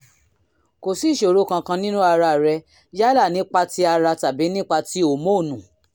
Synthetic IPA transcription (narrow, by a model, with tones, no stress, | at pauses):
ko˨si˦ʃo˨ɾo˨˦kã˧kã˧nĩ˦nũ˦a˧ɾa˧˨ɾɛ˧ | ja˦la˦˨nĩ˦k͡pa˧ti˦a˧ɾa˧ta˨bi˨˦nĩ˦k͡pa˧ti˦o˦˨mo˦˨nũ˨